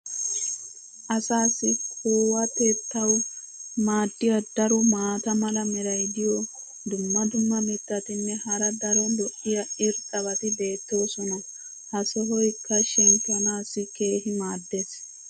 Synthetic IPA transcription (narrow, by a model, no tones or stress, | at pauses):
ʔɐsaːsːɪkʰoːwɐt̪eːt̪ːɐw | maːd̪ːɪjɐd̪ɐɾɔmaːt̪ɐmɐlɐmɛɾɐjd̪ɪjɔ | d̪ʊmːɐd̪ʊmːɐmɪt̪ːɐt̪ɪnːɛhɐɾɐd̪ɐɾɔlɔʔːɪjɐʔɪɾtʼɐbɐt̪ɪbe̞ːt̪ːoːsɔnɐ | hɐsɔɦɔjkʰːɐʃɛnt̪ːɐnaːsːɪke̞ːhɪmaːd̪ːeːs